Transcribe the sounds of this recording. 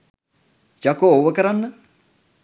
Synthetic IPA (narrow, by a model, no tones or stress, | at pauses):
t͡ʃakooʋəkəɾanːə